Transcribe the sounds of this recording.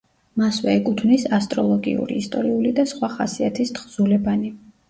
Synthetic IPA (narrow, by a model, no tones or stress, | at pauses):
maswɛɛkʼut̪ʰvnisast̪ʼɾɔlˠɔɡḭṵɾḭːst̪ʼɔɾiulid̪asχwaχasiat̪ʰist̪χzulɛbani